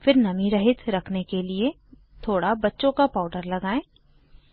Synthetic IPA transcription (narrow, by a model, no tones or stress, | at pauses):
fɪɾnɐmĩɾɐɦɪt̪ʰɾɐkʰnekelie | t̪ʰoːɽabɐtːʃõkapaːʊɖəɾlɐɡaːẽː